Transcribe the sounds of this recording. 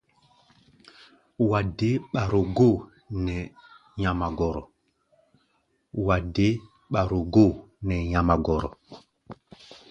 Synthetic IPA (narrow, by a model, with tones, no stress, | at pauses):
wa˨de˦ɓa˨ɾo˨ɡo˦˨ | nɛ˨ | ɲa˨ma˨ɡɔ˨ɾɔ˨ | wa˨de˦ | ɓa˨ɾo˨ɡo˦˨ | nɛ˨ɲa˨ma˨ɡɔ˨ɾɔ̰˨